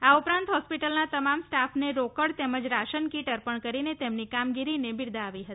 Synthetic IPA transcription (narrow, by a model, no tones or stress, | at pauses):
aupɾãnt̪ɦɔspiʈəlnat̪əmamsʈafʰneɾokəɽt̪eməd͡ʒɾaʃənkiʈəɾpəɳkəɾinet̪emnikamɡiɾinebɪɾd̪aːʋiɦət̪i̥